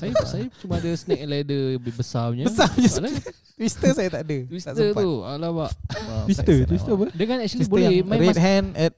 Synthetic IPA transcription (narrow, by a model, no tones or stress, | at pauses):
sajasajat͡ʃumaːdəsənɛk̚lɛdəbbəsaɲabəsaɲasla | t̪wist̪əsajat̪aʔadət̪wisasət̪ua̰labaʔ̪wisət̪wist̪əpədəŋanɛk̚t͡ʃalisibolɛmãɾet̪̚ɦɛ̃nɛt̚